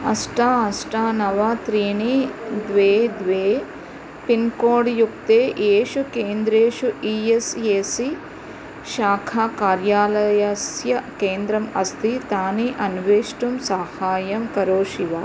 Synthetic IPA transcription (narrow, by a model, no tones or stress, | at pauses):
ɐsʈaːɐsʈaːnɐʋat̪ɾiːnid̪ʋeːd̪ʋeː | pinkoːɽjuk̚t̪eːʔeːʃukeːnd̪ɾeːʃuʔiːeseːsi | ʃaːkʰaːkaːɾjaːlɐjɐsjɐkeːnd̪ɾɐmɐst̪it̪aːniʔɐnʋeːʂʈumsaːhaːjɐmkɐɾoːʃiʋa